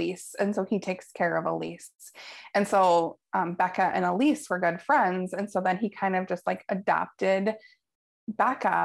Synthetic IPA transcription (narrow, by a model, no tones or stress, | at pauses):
isɨ̃nsoʊitʰeɪkskʰɛɹʌvəlḭstsɨ̃nsoʊ | ʔʌ̃mbɛkɨʔɨ̰̃nəlisfə˞ɡʊd̥fɹɛ̃ndzɨ̃nsoʊðɨ̃nikʰãɪ̃ndʌvd͡ʒʌst̚laɪkɨdæ̰p̚tɪd̚ | bækə̰